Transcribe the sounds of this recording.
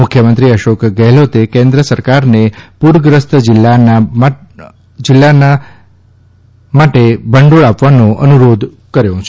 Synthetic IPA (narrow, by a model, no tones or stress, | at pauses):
mʊkʰjəmənt̪ɾiəʃokɡɛɦlot̪ekẽnd̪ɾəsəɾkaɾnepuɾɡɾəst̪əd͡ʒɪlːana | d͡ʒɪlːana | maʈebəɳɖoɭapʋanõʔə̰nuɾod̪ʱ | kəɾjõt͡ʃʰe